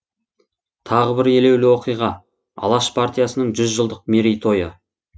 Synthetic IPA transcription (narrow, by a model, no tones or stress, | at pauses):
t̪ʰɑʁəbɪɾe̞le̞wlɪwo̞qijʁɑ | ɑ̰lˠɑʃpʰaɾt̪ijasənəɴʒʏzʒəlˠd̪əq̚meɾijt̪ʰo̞jə